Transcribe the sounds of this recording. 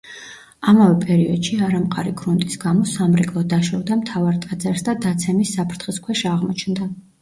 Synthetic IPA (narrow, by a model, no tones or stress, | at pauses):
amavɛpʼɛɾiɔd̪ʃiaɾamqʼaɾiɡɾunt̪ʼisɡamɔsamɾɛkʼlˠɔd̪aʃɔvd̪amt̪ʰavaɾt̪ʼad̪zaɾsd̪ad̪at̪sʰɛmisːapʰɾt̪ʰχiskʰwɛʃaʁmɔt͡ʃʰnd̪a